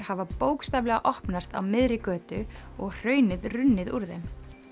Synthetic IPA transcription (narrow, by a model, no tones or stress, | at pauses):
ɾ̥havapoːwkst̪aːvlɛɣaʔɔhpnast̪a̰wmɪðɾɪkœːt̪ʏɔɣr̥œːɥnɪðrʏnːɪðuɾðem